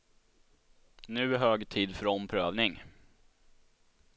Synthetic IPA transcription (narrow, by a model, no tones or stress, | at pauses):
nʉ̟ːɦøːɡt̪ʰiːd̪fœɾɔmpʰɾøːvnɪŋ